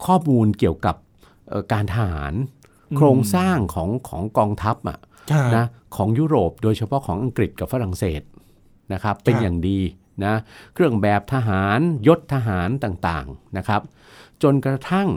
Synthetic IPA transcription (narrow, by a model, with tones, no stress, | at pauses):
kʰɔː˥˩muː˧nki˨˩əwka˨˩p̚ | ʔəː˨˩kaː˧nt̪ʰa˧ha̰ː˩˦n | kʰɾoː˧ŋsaː˥˩ŋkʰɔː˩˦ŋkʰɔː˩˦ŋkɔː˧ŋt̪ʰa˦˥p̚ʔa̰˨˩ʔʰ | na˦˥kʰɔː˩˦ŋjuː˦˥ɾoː˨˩p̚doː˧jt͡ɕʰa˧pʰɔ˦˥kʰɔː˩˦ŋʔa˧ŋkɾi˨˩t̪̚ka˨˩p̚fa˦˥ɾa˨˩ŋsḛː˨˩t̪̚ | na˦˥kʰa˦˥pːe˧njaː˨˩ŋdiː˧ | na˦˥kʰɾɯ˥˩əŋbɛː˨˩p̚t̪ʰa˧ɦaː˩˦njo˦˥t̪ʰːa˧ɦaː˩˦nt̪aː˨˩ŋt̪a̰ː˨˩ŋna˦˥kʰɾa˦˥p̚ | t͡ɕo˧nkɾa˧t̪ʰa˥˩ŋ